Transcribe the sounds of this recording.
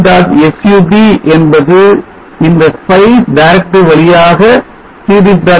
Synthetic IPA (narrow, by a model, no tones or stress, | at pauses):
d̪aːtɛsjuːbiʔɛnbɐðɯ | ɪnd̪ɐspɐɪsɖɐɪɾɛk̚ʈɯʋɐɭɪjaːɣɐ | siːðɪt̪ːaː